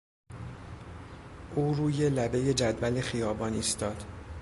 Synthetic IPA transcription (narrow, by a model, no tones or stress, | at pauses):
ʔuːɾuːje̞læbe̞je̞d͡ʒæd̪vælexijɒːbɒːniːst̪ɒːd̪̥